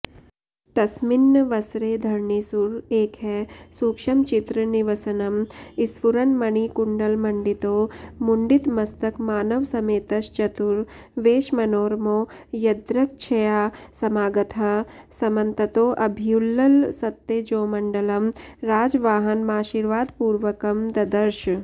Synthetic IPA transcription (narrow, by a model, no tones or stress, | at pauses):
t̪ɐsmɪnːəʋɐsɾeːd̪ʱɐɾɳisuɾeːkɦɛsuːkʃɐmt͡ʃɪt̪ɾəniʋɐsɐnɐmɪsʋuɾɐnmɐɳikʊɳɖɐlmɐɳɖit̪oːmʊɳɖɪt̪mɐst̪ɐkmaːnɐʋsɐmeːt̪ɐʃt͡ʃɐt̪ʊɾ | ʋeːʃmɐnoːɾmoː | jɐd̪ɾɐk̚t͡ʃʰɐjaːsɐmaːɡɐt̪ʰɐsɐmɐ̃nt̪ɐt̪oːʔɐbʱijulːɐlsɐt̪ːed͡ʒoːmɐɳɖɐlɐmɾaːd͡ʒʋaːɦɐnmaːʃiːɾʋaːd̪puːɾʋɐkɐmd̪ɐd̪ɐɾʃ